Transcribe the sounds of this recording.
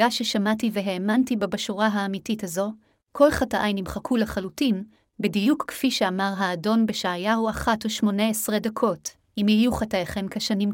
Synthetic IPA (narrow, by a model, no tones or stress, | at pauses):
aʃeʃamative̞ɦeːmantibabaʃuʁaɦaːmitithazo̞ | kʰo̞lχataʔajnimχakʰulaχalutin | bedijukkfiʃeamaʁɦaːdo̞nbeʃaːjahuaχatoʃmo̞neesʁedakʰo̞t | imijuχatajaχe̞mkaʃanim